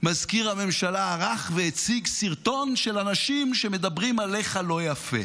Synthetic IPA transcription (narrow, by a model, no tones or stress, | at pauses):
mazkiʁhame̞mʃalaːʁaχveet͡siɡsiʁt̪o̞nʃelanaʃimʃeme̞d̪abʁimaleχalo̞jafḛ